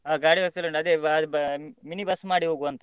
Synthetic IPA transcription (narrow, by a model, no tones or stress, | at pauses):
aːɡaːɽibɐst̪ɐlːɐɳɖɐd̪eː | minibɐsːmaːɽiɦoːɡuʋɐnt̪ɐ